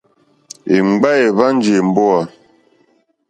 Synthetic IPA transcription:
e˨ŋ͡mɡ͡ba˦je˨va˦n˦d͡ʒe˨m̩˨bɔ˦a˨

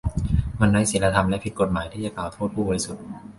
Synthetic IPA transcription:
ma˧nɾa˦˥jse˨˩˦nla˧t̪ʰa˧mlɛ˦˥pʰi˦t̪̚ko˨˩t̪̚maː˩˦jt̪ʰiː˥˩t͡ɕa˨˩klaː˨˩wt̪ʰoː˥˩t̪̚pʰuː˥˩bɔ˧ɾjsu˨˩t̪̚

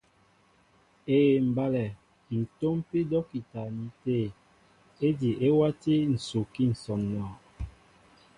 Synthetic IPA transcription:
e˨m̩˨ba˦lɛ˨ | n̩˨to˦mpi˦dɔ˦ki˨ta˨mi˨˦te˦˨ | e˦di˨ʔe˦wa˦ti˦n̩˨so˨ki˦˨n̩˨sɔ˨mnɔ˨

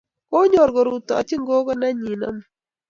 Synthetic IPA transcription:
ko˦ɲo˨ɾɡɔ˨ɾu˨tɔ˨ɔ˨t͡ʃɪ˦ŋɡo˦ɡɔ˦na˦ɲi˨nɔ̰˦m˨

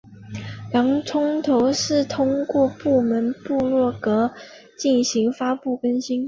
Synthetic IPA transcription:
lɑ˧˥ŋʈ͡ʂʰʊ˥ŋt̪ʰo˧˥ʊʂɻ̩˥˩t̪ʰʊ˥ŋkwɔ˥˧pu˥˩mə˧˥npu˥˧lwɔ˥˩kɤ˧˥ | t͡ɕi˥˩nɕi˧˥ŋfa˥pu˥˩kə˥nɕi˥n

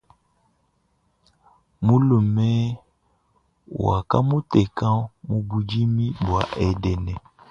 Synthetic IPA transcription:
mũ˦lu˨mɛ˦ | ww̰a˨ka˦mũ˦tɛ˨kã˦mũ˨bu˨d͡ʒi˦mĩ˦bu˨a̰˨ʔɛ˨dɛ˨nɛ̃˨

